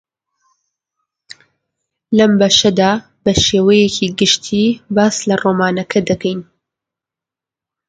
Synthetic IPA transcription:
lɐmbɐʃɐd̪aː | bɐʃeːwɐjecʰiːɡɨʃt̪ʰiːbaːslɐroːmaːnɐkʰɐd̪ɐkɛjn

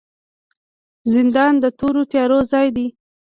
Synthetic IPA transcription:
zɪnd̪ɑnd̪ət̪oɾot̪jɑɾozɑjd̪i

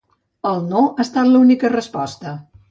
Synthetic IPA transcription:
əlˠnoʔast̪at̪ləunikərəspɔst̪ə

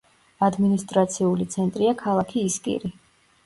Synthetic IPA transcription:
ad̪minist̪ʼɾat̪sʰiulit̪sʰɛnt̪ʼɾiakʰalˠakʰiːskʼḭɾi

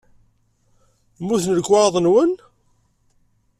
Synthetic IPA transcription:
muθnəlɡwɑɾðˤənwən

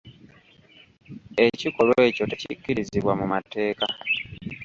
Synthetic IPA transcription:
e̞cikolwe̞ːco̞te̞cḭkːiɾiziβwamumate̞ːka

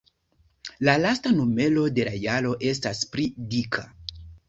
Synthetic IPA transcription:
lalastanome̞lo̞de̞lajaɾo̞ʔe̞s̬taspɾidikʰa̰

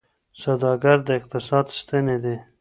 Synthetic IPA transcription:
sad̪ɑɡaɾd̪əɪq̚t̪ɪsɑːd̪st̪əned̪e

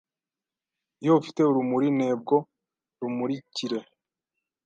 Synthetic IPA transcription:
joufi̥te̞uɾumuɾine̞ːb̚ɡo̞ | ɾumuɾiciɾe̞

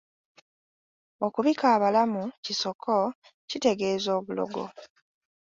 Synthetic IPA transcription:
o̞kuβikaːβalamuciso̞kʰo̞ | cite̞ɡe̞ːzo̞ːβulo̞̰ɡo̞̰

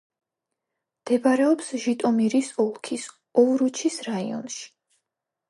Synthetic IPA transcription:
md̪̥ɛbaɾɛɔpsʒit̪ʼɔmiɾisɔlˠkʰis | ɔvɾut͡ʃʰisɾaḭɔ̰nʃi̥

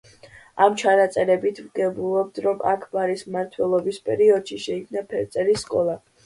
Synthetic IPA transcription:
amt͡ʃʰanat̪sʼɛɾɛbit̪ʰvɡɛbulˠɔb̚d̪ɾɔma̰kʰbaɾismaɾt̪ʰwɛlˠɔbispʼɛɾiɔd̪̥ʃiʃɛikʰmnapʰɛɾt̪sʼɛɾisːkʼɔlˠa

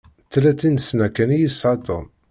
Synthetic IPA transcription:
t̪ːlæt͡sːinəsnækːænijisʕɑd̪ə̰n

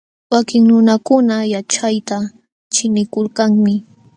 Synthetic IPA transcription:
wakɪŋnʊnakʊnajat͡ʃajt̪a | t͡ʃɪnɪkʊlkaŋmɪ

